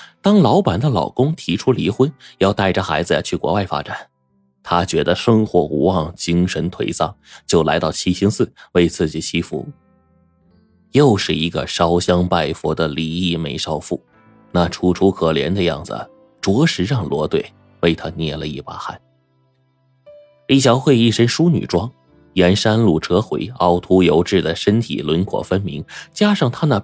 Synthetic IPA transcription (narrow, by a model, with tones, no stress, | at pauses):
t̪ɑ˥ŋlɑ˧˥ʊpa˨˩nd̪ə˦lɑ˨˩ʊkʊ˥ŋt̪ʰi˧˥ʈ͡ʂʰu˥li˧˥xwe˥njɑ˥˧ʊt̪a˥˩ɪʈ͡ʂə˩xa˧˥ɪd͡zɹ̩˧˩t͡ɕʰy˥˩kwɔ̰˧˥wa˥˩ɪfa̰˥ʈ͡ʂa˨˩˦n | t̪ʰa˥t͡ɕɥɛ˧˥d̪ə˧ʂɤ˥ŋxwɔ˧˥ṵ˧˥wɑ˥˩ŋt͡ɕi˥ŋʂə˧˥nt̪ʰwe˧˥ɪsɑ̰˥˩ŋt͡ɕjo˥˩ʊla˧˥ɪt̪ɑ˥˩ʊt͡ɕʰi˥ɕi˥ŋsɹ̩˥˩we˥˧ɪt͡sʰɹ̩˥˩t͡ɕi˨˩t͡ɕʰi˥fṵ˧˥ | jo˥˧ʊʂɻ̩˥˩i˧˥ɡə̰˧ʂɑ˥ʊɕjɑ˥ŋpa˥˩ɪfwɔ˧˥d̪ə˧li˧˥i˥˩me˧˥ɪʂɑ˥ʊfṵ˥˩ | na˥˩ʈ͡ʂʰu˥ʈ͡ʂʰu˥kʰɤ˨˩ljɛ̰˧˥nd̪ə˧jɑ̰˥˩ŋd͡zɹ̩̰˩ | ʈ͡ʂwɔ˧˥ʂɻ̩˧˥ɻɑ˥˩ŋlwɔ˧˥t̪we˥˩ɪ | we˥˩ɪt̪ʰa˥njɛ̰˥˩lə˩i˥˩pa˥xa̰˥˩˦n | li˥˩ɕ̬jɑ˧˥ʊxwe˥˧ɪi˥˩ʂə˥nʂu˥ny̰˨˩ʈ͡ʂwɑ˥ŋ | jɛ˧˥nʂa˥nlu˥˩ʈ͡ʂɤ˥xwḛ˧˥ɪɑ˥ʊt̪ʰu˥jo˧˥ʊʈ͡ʂɻ̩˥˩d̪ə˩ʂə˥nt̪ʰḭ˨˩lwə˧˥nkʰwɔ̰˨˩fə˥nmḭ˧˥ŋt͡ɕja˥ʂɑ˥˩ŋt̪ʰa˥na˨˧˩